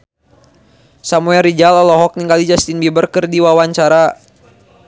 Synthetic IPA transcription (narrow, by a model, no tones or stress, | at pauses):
samuɛlrid͡ʒalɔlɔɦɔk̚niŋkalid͡ʒast̪inbibərkɨrdiwawaɲt͡ʃaɾa